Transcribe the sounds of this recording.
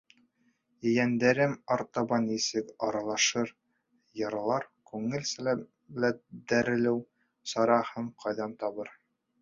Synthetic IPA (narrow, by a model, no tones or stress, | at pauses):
ɘ̆jænd̪æɾɘmɒɾt̪ɑbɑnisɘkɒɾɑlˠɑʃɤɾ | jɤ̆ɾlˠɑɾkʉŋɘlsælæ | læd̪æɾɘ̆lɘw | sɒɾɑhɤɴqʰɒjðɑnt̪ɒβɤɾ